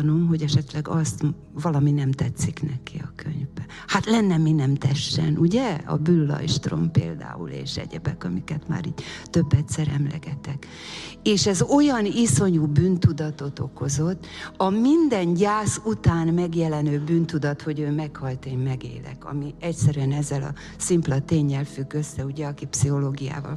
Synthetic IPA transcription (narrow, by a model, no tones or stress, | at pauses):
no̞mɦo̞ɟɛʃɛt̪lɛɡɒst̪ | vɒlɒminɛmt̪ɛt̪siknɛkiɒkʰø̰ɲvbɛ | hat̪lɛnːɛminɛmt̪ɛʃːɛ̰nuɟɛɒ̰bylːɒ̰jʃt̪ro̰mpḛːld̪a̰ːṵlḛːʃɛ̰ɟɛbɛkɒmikɛt̪ma̰ːɾiːɟt̪ø̞bːɛt̪sɛɾɛmlɛ̰ɡɛt̪ɛk | eːʃɛzo̞jɒniso̞ɲuːbyːnt̪ud̪ɒt̪o̞t̪o̞ko̞zo̞t̪ːɒmind̪ɛnɟaːsut̪aːnmɛɡjɛlɛnøːbyːnt̪ud̪ɒt̪ho̞ɟøːmɛkhɒlt̪eːmmɛɡḛːlɛ̰kɒ̰miɛcsɛɾyɛnɛzːɛlɒ̰ | simplɒt̪eːɲːɛlfyɡːø̞sːɛuɟɛɒkipsiho̞loːɡija̰ːvɒ̰l